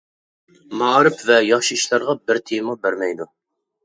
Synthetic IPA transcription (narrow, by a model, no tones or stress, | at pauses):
mɑːɾɨpvɛjɑχʃiʃlˠɑɾʁɑbɪɾt̪ʰemɑbæɾmɛjd̪u